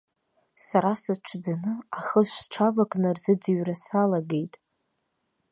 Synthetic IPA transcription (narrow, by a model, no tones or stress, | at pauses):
saɾasat͡ʃʷʰd͡zanɨaχəʃʷʈ͡ʂʰavakʼnɨrzɨd͡ziɥrasalaɡejtʼ